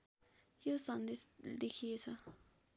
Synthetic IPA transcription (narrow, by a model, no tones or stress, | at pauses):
jusãnd̪id̪ixisa